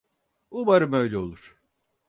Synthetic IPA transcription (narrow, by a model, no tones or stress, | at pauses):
ubaɾɯmøjlʲɛo̞lˠuɾ̥